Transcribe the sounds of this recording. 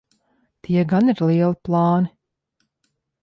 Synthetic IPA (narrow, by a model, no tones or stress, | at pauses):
t̪ʰiɛɡaniɾlˠiɛlˠiplˠɑːni